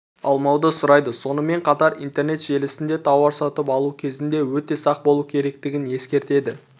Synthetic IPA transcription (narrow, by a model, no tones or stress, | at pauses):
ɑ̰lˠmɑwd̪əsʊɾɑjd̪əso̞nəme̞ɴqʰɑt̪ɑɾḭnt̪e̞rne̞t̪ʒe̞lɪsɪnd̪e̞t̪ʰɑwɑɾsɑt̪əpɑlˠukʲʰe̞zɪnd̪e̞wɵt̪e̞sɑq̚bo̞lˠukʲʰeɾe̞kt̪ɪɡʲɪne̞skʲe̞ɾt̪e̞d̪ɪ